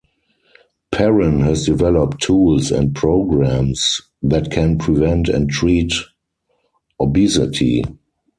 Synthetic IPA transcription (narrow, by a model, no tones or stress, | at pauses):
pʰɛɹə̃nhɛsdivɛlɔptʰːuːlsɛ̰̃nt̚pʰɹoʊɡɹæ̃ms | ðætkʰɛ̃npʰɹivɛ̃ntɛ̰̃ntɹiːt | ɔbisɪ̰tʰḭ